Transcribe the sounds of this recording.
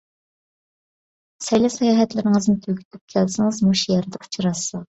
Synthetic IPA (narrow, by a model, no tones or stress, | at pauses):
sɛjlɛsɑjɑːɦɛt̪lɪɾɪŋɨznɪt̪ʰøɡʲy̥t̪ʰyp̚kʲʰælsɪŋɨzmuʃjɛɾd̪ɛqʰʊ̥t͡ʃʰɾɑsɑ